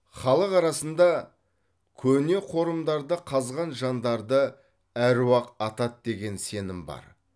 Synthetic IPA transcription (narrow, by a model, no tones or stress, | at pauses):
χɑlˠəqɑɾɑsənd̪ɑ | kʲʰɵne̞qʰo̞ɾəmd̪ɑɾd̪əqʰɑzʁɑnʒɑnd̪ɑɾd̪ə | æɾwɑqɑt̪ɑt̪̚d̪e̞ɡʲe̞nse̞nɪmbɑ̰ɾ